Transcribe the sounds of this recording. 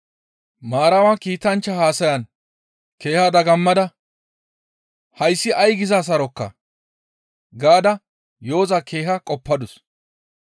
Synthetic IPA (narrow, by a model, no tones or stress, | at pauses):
maːɾɐwaːkiːt̪ɐnt͡ʃːɐhaːsɐjɐn | ke̞ːhaːd̪ɐɡɐmːɐd̪ɐ | hɐjsːɪʔɐjɡɪzaːs̬ɐɾɔkːɐ̰ | ɡaːd̪ɐ | jo̞ːzɐkʰe̞ːɦɐkʼɔpːɐd̪ʊs